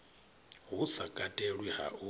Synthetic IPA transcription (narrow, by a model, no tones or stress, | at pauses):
ɦusakʼatʼɛɺwiha̰ʔu